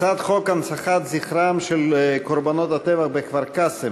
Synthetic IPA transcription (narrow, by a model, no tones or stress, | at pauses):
t͡sad̪χokansaχat̪ziχɾamʃelkoɾbanot̪at̪evaχbekvaɾkase